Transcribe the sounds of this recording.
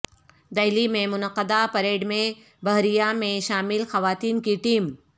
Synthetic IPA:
d̪ɐɪlimẽmʊnəqːəd̪apɐɾeːɖmẽ | bɐɦɾijamẽʃaːmɪlxɐʋaːt̪iːnkiʈiːm

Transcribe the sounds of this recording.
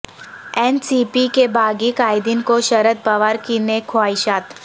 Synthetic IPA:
ɛːnsiːpikebʱaːɡikaːɪd̪inkoʃɐɾət̪̚pɐʋaːɾkinekʰoaːiʃaːt̪

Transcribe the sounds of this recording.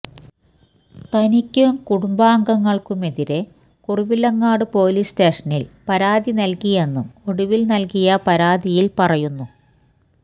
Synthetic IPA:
t̪ɐnikʲːumkuɽumbaːŋɡɐŋːɐɭkume̞ðiɾe̞ | kuriʋilɐŋːaːɽɨpo̞ːliste̞ːʂɐnilpɐɾaːðinɐlkije̞nːumo̞ɽuʋilnɐlkijɐpɐɾaːðijilpɐrɐjunːu

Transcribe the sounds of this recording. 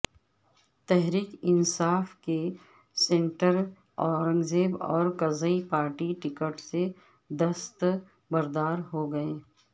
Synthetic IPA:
t̪ɛɦɾiːkɪnsaːfke | sẽːɳʈəɾ | ɔːɾə̃ŋɡzeːbɔ̰ːɾkɐzəipaːɾʈiʈɪkəʈse | d̪ɐst̪ | bɐɾd̪aːɾɦoɡɐẽː

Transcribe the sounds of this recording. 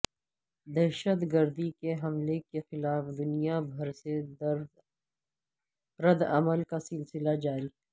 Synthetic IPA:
d̪ɛɦʃət̪ɡəɾd̪ikeɦɐmlekexɪlaːfd̪ʊnijabʱɐɾsed̪ɾ | ɾɐd̪ɐ̰məlkasɪlsɪlad͡ʒaːɾiː

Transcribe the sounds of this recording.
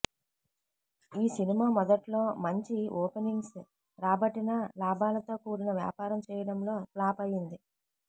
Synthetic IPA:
iːsinimaːmɔd̪ɐʈlo̞ːmɐɲt͡ʃiɔːpeniŋɡs | ɾaːbɐʈinɐlaːbaːlɐt̪o̞ːkuːɾinɐʋja̰ːpaːɾɐmt͡ʃɛːjɐɽɐmlo̞ːplaːpɐjind̪i

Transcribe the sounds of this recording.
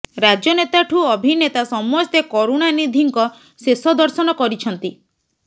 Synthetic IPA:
ɾad͡ʒjɔnet̪aʈʰuɔbʱinet̪asɔmɔst̪ekɔɾuɽ̃anid̪ʱiŋkɔ | sesɔd̪ɔɾsɔnɔkɔɾit͡ʃʰɔnt̪i

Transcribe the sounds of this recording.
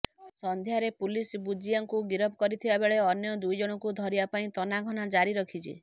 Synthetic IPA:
sɔnd̪ʱjaɾepulisbud͡ʒiaŋkuɡiɾɔbʰʱɔkɔɾit̪ʰibabeɭeɔnjɔd̪ujd͡ʒɔɽ̃ɔkud̪ʱɔɾibapaĩt̪ɔnaɡʱɔnad͡ʒaɾiɾɔkʰit͡ʃʰḭ

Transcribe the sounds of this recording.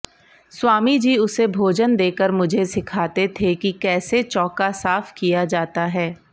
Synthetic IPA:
swaːmid͡ʒiːʊsebʱoːd͡ʒənd̪eːkəɾmʊd͡ʒʱesɪkʰaːt̪et̪ʰekikɛːset͡ʃɔːkasaːfkijad͡ʒaːt̪aɦɛː

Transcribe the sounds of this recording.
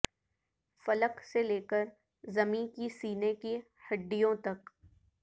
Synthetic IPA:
fɐləkseleːkəɾ | zɐmĩːnkisiːneki | hɐɖːijõt̪ɐk

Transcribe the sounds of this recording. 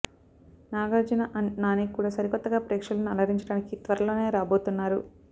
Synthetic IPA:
naːɡaːd͡ʒɐnɐʔɐnaːnikuːɽaːsɐɾikɔt̪ːɐɡaːpɾeːkʂɐlɐnuɐlɐɾiɲt͡ʃɐɽaːnikit̪ʋɐɾɐlo̞ːne̞ːɾaːbo̞ːt̪unːaːɾu

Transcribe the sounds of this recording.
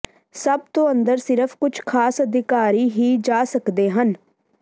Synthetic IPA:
səb̚t̪õːə̃nd̪əɾsɪɾəpʰkʊt͡ʃʰkʰaːsəd̪ʱɪkaːɾiːɦiːd͡ʒaːsəkd̪eːɦən

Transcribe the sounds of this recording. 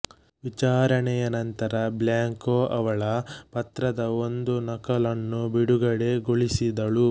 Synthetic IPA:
ʋit͡ʃaːɾɐɳɛjɐnɐnt̪ɐɾɐbljaːŋkoːʔɐʋɐɭɐpɐt̪ɾɐd̪ɐo̞nd̪unɐkɐlɐnːubiɽuɡɐɽe̞ɡoɭisid̪ɐɭu

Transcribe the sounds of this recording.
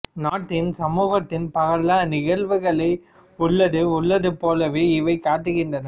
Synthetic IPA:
naːʈːɪnsɐmuːɣɐt̪ːɪnpɐɣɐlaːnɪɣɐlʋɯɣɐɭɐɪ | ʊɭːɐðɯʊɭːɐðɯpoːlɐʋeːɪʋɐɪkaːʈːɯɣɪndrɐnɐ

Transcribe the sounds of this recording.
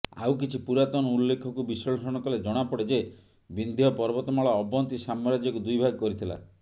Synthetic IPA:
a̰wkit͡ʃʰipuɾat̪ɔñɔulːekʰɔkubisɔɭsɔɽ̃ɔkɔled͡ʒɔɽ̃apɔɽed͡ʒe | bind̪ʱijɔpɔɾbɔt̪ɔmɔɭɔɔbɔnt̪isamɔɾad͡ʒjɔkud̪ujbʱaɡɔkɔɾit̪ʰila̰

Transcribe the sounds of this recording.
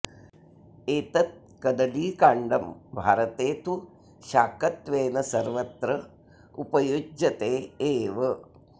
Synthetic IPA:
eːt̪ɐt̪̚ | kɐd̪ɐliːkaːɳɖɐmbʱaːɾɐt̪eːt̪u | ʃaːkɐt̪ʋeːnɐsɐɾʋɐt̪ɾɐ | upɐjud͡ʒɐt̪eːʋɐ

